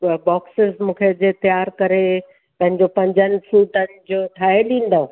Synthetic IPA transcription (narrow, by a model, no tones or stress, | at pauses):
bɔːksɪzmũːkʰed͡ʑet̪jaːɾkɐɾe | pɐ̃ɦɪ̃ɲd͡ʑopɐ̃ɲd͡ʑənɪ̆fuːʈənɪ̆d͡ʑoːʈʰaːɦeɗĩːn̆d̪o